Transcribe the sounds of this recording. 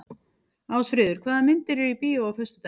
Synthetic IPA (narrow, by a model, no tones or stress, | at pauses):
aːwsfɾɪːðʏɾ̥kʰvaːðamɪnt̪ɪɾɛɾipiːaawfœst̪ʏt̪a